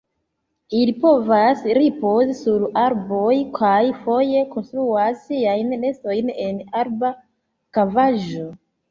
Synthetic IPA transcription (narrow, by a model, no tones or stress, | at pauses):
ilipo̞vasɾipo̞zisuɾaɾbo̞jkʰajfo̞je̞ko̞nst̪ɾuasːiajnle̞sto̞jne̞naɾba | kavaʒo̞